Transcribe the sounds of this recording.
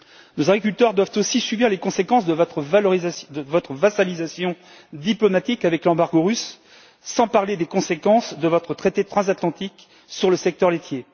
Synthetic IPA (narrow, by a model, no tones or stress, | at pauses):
nozaɡʁik̬ʲylt̪œʁd̪wavt̪osisybiʁlekɔ̃sekɑ̃sd̪əvɔt̪χəvalɔʁizad̪əvɔt̪χəvasalizasjɔ̃ | d̪iplɔmat̪ikavɛklɑ̃baʁɡoʁysː | ɑ̃paʁled̪ekɔ̃sekɑ̃sd̪əvɔt̪χət̪χet̪et̪χɑ̃zat̪lɑ̃t̪ik | syʁləsɛk̚t̪œʁlet̪je